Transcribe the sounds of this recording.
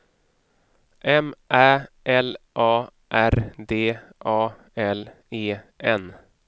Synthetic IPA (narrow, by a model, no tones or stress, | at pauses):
ʔɛmʔæːʔɛlʔɑː | ʔæɾd̪eːʔɑː | ɛl | eːʔɛn